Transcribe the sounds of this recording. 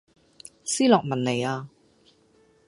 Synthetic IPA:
siː˥lɔː˨k̚mɐ˨˩nːe˨˩jaː˧

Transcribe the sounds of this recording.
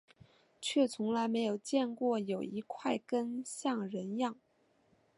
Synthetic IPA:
t͡ɕʰɥɛ˥˩t͡sʰʊ˧˥ŋla˧˥ɪme˧˥ɪjo˨˩ʊt͡ɕjɛ˥˧nkwɔ˥˩jo˨˩ʊi˧˥kʰwa˥˩ɪkə˥nɕjɑ˥˩ŋɻə˧˥njɑ˥˩ŋ

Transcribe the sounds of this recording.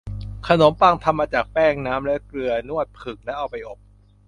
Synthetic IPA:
kʰa˧no˩˦mpa˧˩ŋt̪ʰa˧mːaː˧t͡ɕaː˨˩k̚pɛː˥˩ŋnaː˦˥mlɛ˦˥klɯ˧ɐnu˥˩ət̪̚pʰɯ˨˩ŋ̚lɛ˦˥ʔa˧wpa˧jʔo˨˩p̚

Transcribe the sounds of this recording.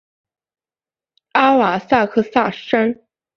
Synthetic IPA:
a˥wa˨˩sa˥˧kʰɤ˥˧sa˥˩ʂa˥n

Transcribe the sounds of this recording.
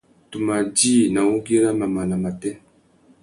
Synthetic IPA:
tu˨ma˨d͡ʒiː˦nã˨wu˦ɡe˦ɾa˦ma˨ma˨la˨ma˨tɛ˦

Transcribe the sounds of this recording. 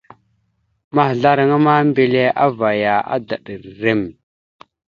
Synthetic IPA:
ma˦hɮa˦ɾa˨ŋa˦ma˦mbe˨le˦ʔa˦va˨ja˨a̰˦da˨ɗə˨ɾɾe˦˨m

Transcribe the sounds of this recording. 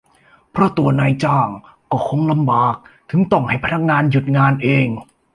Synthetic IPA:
pʰɾɔ˦˥˩t̪u˧ɐnaː˧jt͡ɕaː˥˩ŋ | kɔː˥˩kʰo˧ŋla˧mbaː˨˩k̚t̪ʰɯ˨˩˦ŋt̪ɔ˧˩ŋha˥˩jpʰa˧na˦˥˩k̚ŋaː˧nju˨˩t̪̚ŋaː˧nʔeː˧ŋ

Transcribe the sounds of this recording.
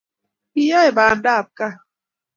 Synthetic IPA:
i˦ja˦jbaː˨ndaː˦˨p̚ka˦

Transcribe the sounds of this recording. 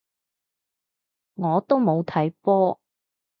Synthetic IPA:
ŋɔː˨˧t̪o˥wmo˨˧wt̪ʰɐ˨˥jpɔː˥

